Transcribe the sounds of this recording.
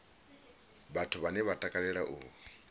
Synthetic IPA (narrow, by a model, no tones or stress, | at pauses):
βatʰuβanɛβatʼakʼaɺɛɺaʔuːwi